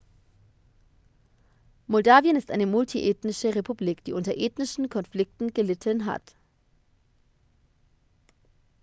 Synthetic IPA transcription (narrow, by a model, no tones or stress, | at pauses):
mɔldaːvjənɪstʔaɪnəmʊltʰiʔeːtnɪʃəʁepʰubliːkd̥iːʔʊntɐʔeːtnɪʃn̩kʰɔnflɪk̚tn̩ɡəlɪtʰənɦa̰t